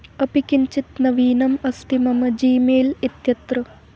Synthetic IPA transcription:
ɐpikint͡ʃit̪nɐʋiːnɐmɐst̪ʰimɐmɐd͡ʒiːmeːlit̪jɐt̪rɨ

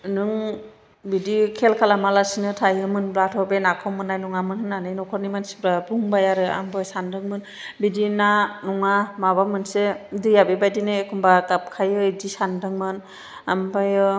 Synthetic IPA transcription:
nɯŋ | bidikʰelkʰalamalasinɯtʰajɯmɯnbɾatʰɔbenakʰɔwmɯnːajnɔŋamɯnhɯnanɯjnɔkʰɔɾnimansi̥bɾabuŋbajaɾɯa̰mbɯjsandɯŋmɯn | bidinanɔŋamaβamɯnsedɯjabebajdinɯkʰumbakap̚kʰajɯidisandɯŋmɯn | ambajɯ

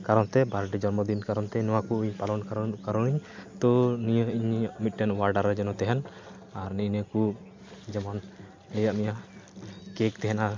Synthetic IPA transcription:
kaɾɔnt̪ɛbaɾɖid͡ʒɔɾmɔd̪inkaɾɔnt̪ɛnɔwakuʔuɲpalɔnkaɾkaɾɔniɲt̪ɔnijəiɲmit̪̚ˀʈɛnwaɾɖaɾːɛd͡ʒɛnɔt̪ɛɦɛn | aɾninəku | d͡ʒɛman | lɛjaʔmija | kek̚t̪ɛɦɛna

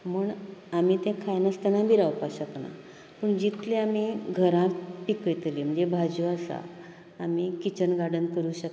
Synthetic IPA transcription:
muːɳamit̪ɛ̃kʰajnəst̪ənãbʱiːɾawpaɕəkna̰ | pəɳd͡ʑit̪lẽamiɡʱəɾãpikəjt̪lim̤əɳd͡zebʱad͡zuasa̰ː | mikit͡ɕənɡaɽənkəɾũːɕək

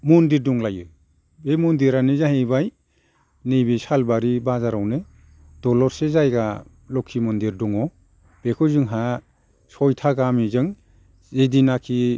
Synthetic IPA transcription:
mundiɾduŋlajɯ | bemɔndiɾanezaɦejbaj | nejbisalbaɾibazaɾawnɯ | d̥ɔlɔɾsezajɡa | lɔkʰːimɔndiɾdɔŋɔ | b̥ekʰɯzɯŋɦa | sɔjtʰaɡamizɯŋ | zedinakʰi

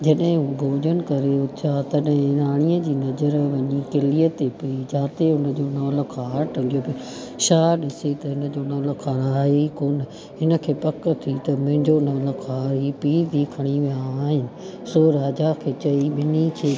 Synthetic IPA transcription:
d͡ʑɐɗɦɪ̃ɦũːɡʱoːd͡ʑənɪ̆kɐɾeʊat̪ɐɗɦɪ̃ɾaːɽ̃ijəd͡ʑiːnɐzəɾʋɐɲikɪlijət̪epiid͡ʑãːt̪eʊnə̆d͡ʑoːnɔːlkʰaːɾʈʰɐ̃dijobi | ʃaːɗɪset̪ɐɦɪnə̆d͡ʑoːnɔːləkʰaːɾaːɦikoːn̆ | ɦɪnə̆kʰeːpɐk̆t̪ʰit̪ɐmʊ̃ɦɪ̃ɲd͡ʑonɔːlkʰaːɾipiːd̪ʱiːkʰɐɽ̃iʋijaːɦɪnɪ̆ | soːɾaːd͡ʑakʰeːt͡ɕɐiʋɪnikʰeː

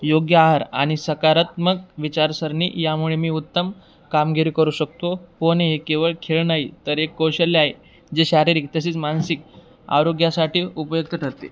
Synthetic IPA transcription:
joɡjəaɦaɾa̰ɽ̃isəkaɾat̪mək̚ʋit͡ɕaɾsəɾnḭjamuɭemiːut̪ːəm | kamɡiɾikəɾuːɕək̚t̪oponeɦekeʋəɭkʰeɭnaɦit̪əɾekːoɕəlːeaɦe | d͡ʑeɕaɾiɾiːk̚t̪əɕiːt͡smansik̚ | a̰ɾoɡjasaʈʰiːupəjuk̚t̪əʈʰəɾt̪ḛ

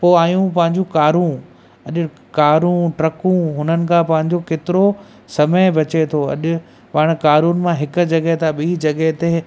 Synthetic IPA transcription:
poːaːjũp̬ɐ̃ɦɪ̃ɲd͡ʑũkaːɾũ | ɐʄʊ | kaːɾũʈɾɐkũɦʊnənɪ̆kʰãpɐ̃ɦɪ̃ɲ̆d͡ʑokeːt̪ɪɾo | sɐməɪbɐt͡ɕet̪ʰoɐ̰ʄʊ̆ | paːɽ̃kaːɾuːn̆mãɦɪkʊd͡ʑɐɡəɦt̪ʰaɓiːd͡ʑɐɠəɦt̪e

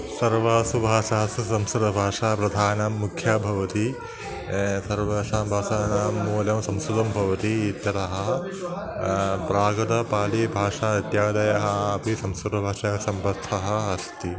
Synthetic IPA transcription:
sɐɾʋaːsubʱaːʂaɦɐsusɐmsuɾɐbʱaːʂaːpɾɐd̪ʱaːnɐːukʰjaːbʱɐʋɐt̪i | sɐɾʋaːʂaːmbʱaːsaːnaːmːuːljɐmsɐmsud̪ɐmbʱɐʋɐt̪iːt̪jɐɾɐɦɐ | pɾaːɡɐd̪ɐpaːlibʱaːʂaːɐt̪jaːd̪ɐjɐɦɐɐpisɐmsuɾɐbʱaːʂɐsɐmbɐt̪ʰːɐɦɐ̆ɐst̪i

